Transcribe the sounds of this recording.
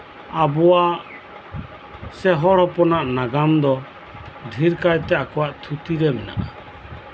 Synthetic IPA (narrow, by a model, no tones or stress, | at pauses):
abɔwa | sɛɦɔɽhɔpɔnaʔnaɡamd̪ɔ | d̪ʱiɾkajt̪ɛakɔwaʔt̪ʰut̪iɾɛmɛna̰ʔa̰